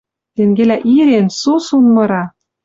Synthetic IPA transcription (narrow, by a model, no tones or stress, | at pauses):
t̪eŋɡelæʔiɾensusunmɤ̆ɾɑ